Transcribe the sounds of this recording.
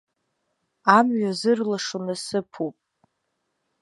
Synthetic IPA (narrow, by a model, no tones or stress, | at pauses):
amɥazɨrlaʂonɨsɨpʰupʼ